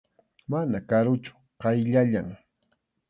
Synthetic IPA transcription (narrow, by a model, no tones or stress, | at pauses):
manakaɾʊt͡ʃʊ̥ | qɑjʎaʎaŋ